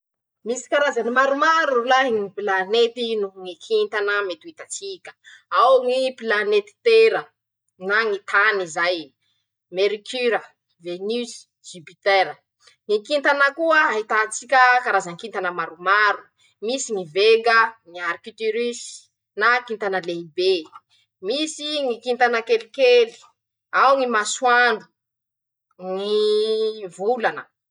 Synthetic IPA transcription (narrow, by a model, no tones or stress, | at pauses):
misi̥kaɾazanimaɾumaɾulaɦiŋipilanet̪inuŋikʰint̪anəmet̪uit̪at͡sikʲə̥awŋipilanet̪i̥t̪eɾə | naŋit̪ʰanizaj | meɾikyɾə | venys | d͡ʒipit̪eɾə | ŋikint̪anəkuəaɦit̪at͡sikʲəkaɾazaŋkint̪anəmaɾumaɾu̥ | misiŋiveŋɡəŋiaɾikit̪yɾis | nakint̪anəleibe | misiŋikint̪anəkelikeli̥ | awŋimaswaɳɖ͡ʐu | ŋi | vulanə